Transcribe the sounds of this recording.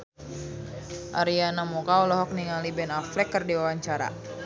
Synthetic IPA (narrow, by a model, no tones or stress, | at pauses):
ʔa̰ɾianamɔkaɔlɔɦɔk̚niŋalibɛnaflɛkːɨrdiwawaɲt͡ʃaɾa̰